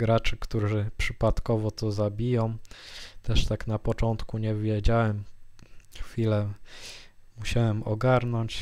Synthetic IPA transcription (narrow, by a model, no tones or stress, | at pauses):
ɡɾat͡ʂɘkt̪uʐɘpʂɘpat̪kɔvɔt̪ɔzabʲijɔ̃w̃t̪ɛʂt̪aknapɔt͡ʂɔnt̪kuɲɛvʲjɛd͡ʑawɛm | xfʲilɛ | muɕawɛmɔɡaɾnɔɲt͡ɕ